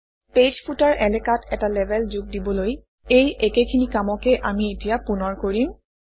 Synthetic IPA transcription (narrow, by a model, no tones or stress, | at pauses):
ped͡ʒpʰutaɹʔɛlɛkatɛtalɛbʱɛlzuɡ̚dibɔloj | ejʔekekʰinikamɔkɛʔamietijapunɔɹkoɹim